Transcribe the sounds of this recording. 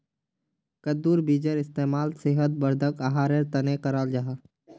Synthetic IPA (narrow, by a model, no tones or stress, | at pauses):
kɐd̪uːɾbiːd͡ʒəɾɪst̪eːmaːlsɪɦət̪̚bəɾd̪ʱəkaɦaːɾeɾt̪ɐneqɐɾaːld͡ʒaɦaː